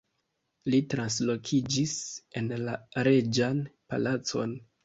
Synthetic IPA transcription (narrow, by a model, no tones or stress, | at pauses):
litɾanslo̞kʰid͡ʒise̞nlaɾe̞d͡ʒanpa̰lat͡so̞̰n